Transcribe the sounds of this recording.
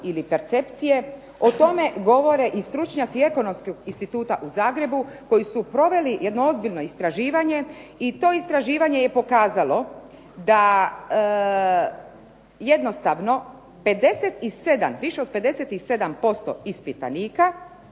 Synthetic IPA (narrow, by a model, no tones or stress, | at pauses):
ilipeɾt̪se̞pt̪sije̞ | ot̪o̞me̞ɡo̞ʋo̞ɾe̞ʔist̪ɾut͡ʃɲat̪sie̞ko̞no̞mskoɡinst̪it̪uːt̪aʔuzaːɡɾe̞buko̞jisupɾo̞ʋe̞lije̞d̪noo̞zbiʎno̞ist̪ɾaʒiːʋaɲe̞it̪o̞ːist̪ɾaʒiːʋaɲe̞jepo̞kaːzalo̞ | d̪a | je̞d̪no̞st̪aʋno̞ | pe̞d̪e̞set̪ise̞d̪a̰mʋiʃeod̪̚pe̞d̪e̞set̪ise̞d̪ampo̞st̪o̞̰ispit̪a̰niːka